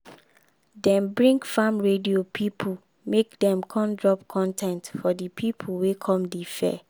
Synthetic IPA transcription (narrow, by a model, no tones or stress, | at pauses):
dɛ̃mbɹĩŋɡfamɹediopʰipʰu | mekdɛ̃mkʰɔ̃ndɹɔpkʰɔ̃ntʰɛ̃ntfɔdipʰipʰuwekʰɔ̃mdifɛ̰